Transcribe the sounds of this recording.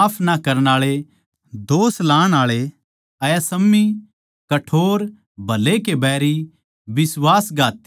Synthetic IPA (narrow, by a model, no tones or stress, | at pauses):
pʰnakɐɾəɽ̃aːɭe | d̪oːslaːɽ̃aːɭe | ɐjɐsɐmːi | kɐʈʰoːɾ | bʱɐlekebɛːɾi | bɪswaːsɡaːt̪